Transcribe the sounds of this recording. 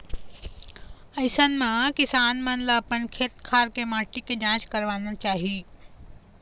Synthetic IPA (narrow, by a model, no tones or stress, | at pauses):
ɐɪsənmãkɪsaːnmə̃nlapənkʰeːt̪kʰaːɾkemaːʈiked͡ʒãːt͡ʃkəɾʋaːnat͡ʃaːɦi